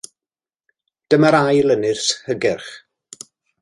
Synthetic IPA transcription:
d̥əmaɾajlˠənɪrshəɡɪrχ

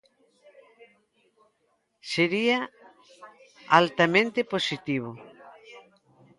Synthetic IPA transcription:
seɾia | alt̪amẽnt̪eposit̪iβ̞o

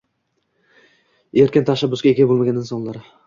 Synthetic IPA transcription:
eɾkʲɪnt̪ʰaʃabːʊsɡʲaeɡʲabolˠmaɡʲanɪnsɒnlˠaɾɪ

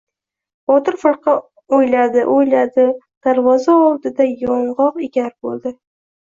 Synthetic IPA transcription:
b̥ɒt̪ɪɾfɨɾˠqʰɑ | ojlad̪ɪʔojlad̪ɪ | d̪̥aɾvɒzaɒlˠd̪ɪd̪ajɒɴʁɒqɪɡʲaɾbolˠd̪ɪ

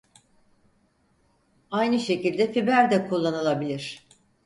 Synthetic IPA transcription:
ajnɯʃe̞cilʲd̪ɛfibæɾd̪ɛkʰulˠːanɯlˠabilʲiɾ̥

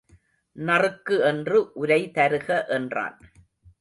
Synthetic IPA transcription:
nɐrɯkːɯɛndrɯʔʊɾɐɪt̪ɐɾɯɣɐʔɛndra̰ːn

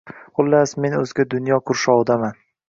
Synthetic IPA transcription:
qʊlˠːasme̞nɵzɡʲad̪ʊnjɒkʰʊɾʃɒwd̪aman

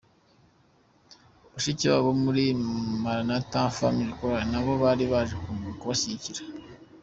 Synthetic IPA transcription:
βaʃiciβa̰βomuɾimaɾanatafa̰miɾikoɾanaβo̞βaɾiβaʒekumukuβasiiciɾa

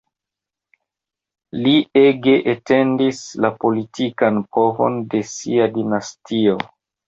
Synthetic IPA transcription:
lieɡe̞ʔete̞ndislapo̞litʰikanpʰovo̞̰nde̞siadinastʰio̞

